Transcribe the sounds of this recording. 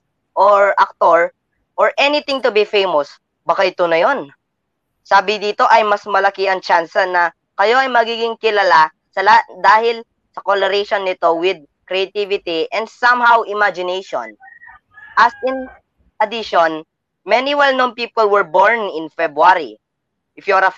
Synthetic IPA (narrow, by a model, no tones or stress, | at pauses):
ʔoɹʔak̚t̪oɹ | ʔoɹʔɛnɪt̪ɪ̃ŋt̪ʊbifejmos | bɐkaɪt̪onɐjo̞n | saːbɪd̪iːt̪o̞ʔɐjmɐsmɐlɐkɪɐŋt͡ʃansɐnɐ | kɐjo̞ɐjmɐɡiɡɪŋkɪlɐla | sɐlɐd̪aːhɪl | sɐkolɛɾɛjʃonːɪt̪o̞wɪd̪̚ | kɾɛat̪ivɪt̪iʔɛ̃nd̪sɐ̃mhawʔɪmad͡ʒɪnejʃõ̰n | ʔɐsɪ̃n | ʔɐd̪ɪʃon | mɛniwɛlnonpiːpolwɛɹboɹnɪ̃nfɛbɹuaɾḭ | ʔɪfjuɾɐ